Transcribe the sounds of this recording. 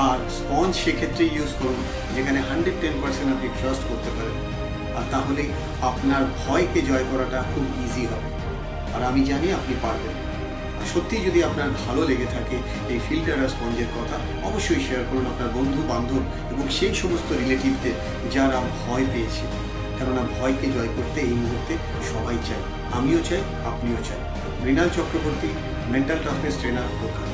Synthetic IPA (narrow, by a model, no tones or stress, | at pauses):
aɾspɔnsʃekʰet̪ːɾejjuzkoɾun | d͡ʑekʰaneɦaɳɖɾeɖ̚ʈenpɐɾsenʈapniʈɾasʈkoɾt̪epaɾen | aɾt̪aɦole | apnaɾbʱɔeked͡ʑɔekɔɾaʈakʰubiziɦɔbe | aɾamid͡ʑaniapnipaɾben | aɾʃot̪ːid͡ʑod̪iapnaɾbʱaloleɡet̪ʰake | ejfilʈaɾaɾspɔnd͡ʑeɾkɔt̪ʰa | ɔboʃːojʃeaɾkoɾunapnaɾbond̪ʱuband̪ʱun | eboŋʃejʃomost̪oɾileʈibd̪eɾ | d͡ʑaɾabʱɔepeet͡ɕʰe | ɛbonabʱɔeked͡ʑɔekoɾt̪eejmuɦuɾt̪ʰe | ʃɔbajt͡ɕaj | amiot͡ɕaj | apniot͡ɕa̰j | bɾinalt͡ɕɔkɾoboɾt̪i | meɳʈalʈafesʈɾenaɾpokʰa